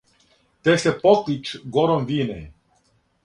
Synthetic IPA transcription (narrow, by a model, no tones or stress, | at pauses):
t̪ɛsepɔklit͡ʃɡɔɾomviːnɛ̰